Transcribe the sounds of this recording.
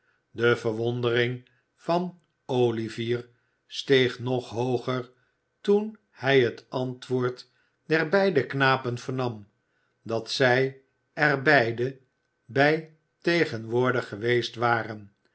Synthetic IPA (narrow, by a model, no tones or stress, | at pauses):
dəvəʋɔndərɪŋ | fɑn | owliviːɹ | stejχnɔχɦowχəɹ | tun | hɛjɦətɑntʋʊːɹt | dɛɹbɛjdəknaːpənvəɹnɑm | dɑtsɛj | ɛɹbɛjdə | bɛj | tejχənʋʊːɹdəχːəʋejstʋaːrən